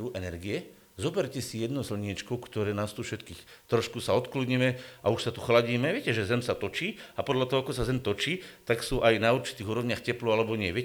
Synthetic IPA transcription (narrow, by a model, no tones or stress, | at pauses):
uʔɛnɛɾɡiɛ | zɔbɛɾcɛsijɛd̪nɔʊzl̩ɲɪɛt͡ʃkɔʊkt̪ɔɾɛːnaːst̪ufʃɛt̪kiːxt̪ɾɔʃkusaɔt̪kludɲimɛauʃsat̪uxlaɟiːmɛvʋɪɛcɛʒɛzɛmsat̪ɔt͡ʃiːapɔd̪ʎat̪ɔɦɔakɔsazɛmt̪ɔt͡ʃiːt̪aksuʔajnauɾt͡ʃi̥t̪iːɣuːɾɔʋɲɪaːxcɛplualɛbɔɲɪɛʋɪɛ